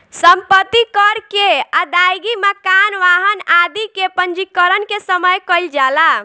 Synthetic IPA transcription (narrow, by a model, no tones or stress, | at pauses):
səmpət̪ːikəɾkead̪ajɡiməkanʋaɦənad̪ikepənd͡ʒikəɾənkesəməjkəjld͡ʒala